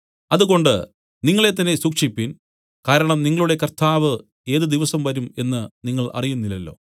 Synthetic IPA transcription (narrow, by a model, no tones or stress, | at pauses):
ɐðuɣo̞ɳɖɨ | niŋːɐɭe̞t̪̬ːɐnːesukʂipːin | kaːɾɐɳɐmniŋːɐɭuɽe̞kɐrt̪aːʋɨ | e̞ːðɨd̪iʋɐsɐmʋɐɾume̞nːɨniŋːɐɭʔɐ̰rijunːilːɐlːo̞̰ː